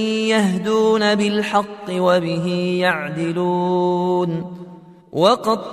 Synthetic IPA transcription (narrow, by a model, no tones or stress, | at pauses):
jahd̪uːnabɪlħɑqːɨwabɪɦiːjaʕd̪ɪluːn | wɑqɑd̪